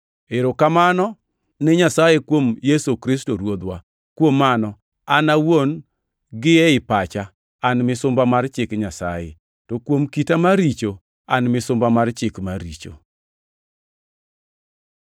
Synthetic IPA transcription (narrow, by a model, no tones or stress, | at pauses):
eɾokamanɔ | nɛɲasajekwomjesokɾistoɾwod̪wa | kwomːanɔ | anawon | ɡɪɛɪpat͡ʃa | anmɪsʊmbamart͡ʃɪkɲasa̰jḛ | tɔkwomkitamaɾit͡ʃo | anmɪsʊmbamart͡ʃɪkmaɾḭt͡ʃo̰